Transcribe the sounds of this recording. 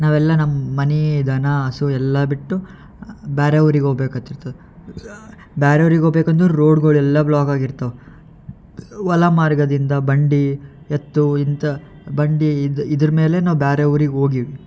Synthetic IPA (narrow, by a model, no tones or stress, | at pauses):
naːʋɛlːɐnɐmːɐmɐnid̪ʱɐnɐɐsuɛlːɐbiʈːu | baːɾɐʋɐɾiɡeɦoːɡbeːkat̪ːiɾt̪ɐʋe | baːɾɐʋɐɾiɡeoɡbeːkɐnd̪uɾo̞ːɖɡoːɭuɛlːɐblaːkaːɡiɾt̪ɐʋe | ʋɐlɐmaːɾɡɐd̪ind̪ɐbɐɳɖi | et̪ːuint̪ɐ | bɐɳɖiid̪ɐɾɐme̞ːle̞naːʋubaːɾɐʋɐɾiɡeo̞ːɡiʋi